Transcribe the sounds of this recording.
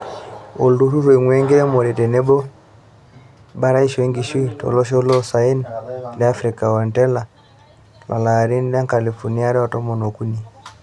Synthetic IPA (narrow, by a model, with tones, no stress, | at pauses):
o˨ldu˦ɾu˦ɾe˨ŋwɛ˦ŋɡɛ˦ɾɛ˦mɔ˨ɾɛ˨tɛ˨nɛ˦bɔ˦ | ba˦ɾa˦i˦ʃwɛ˦ŋɡi˨ʃi˦tɔ̰˨lɔ˦ʃ̬ɔ˦u˦lɔ˦sa˨i˦nlɛa˦fɾi˨ka˨wa˨ntɛ˦la˨ | la̰˨la˨ɾi˦n˦la˦ŋka˨li˨fɔ˨ni˦a˦ɾɛ˦wa˨tɔ˦mɔ˨nɔ˨ku˦ni˦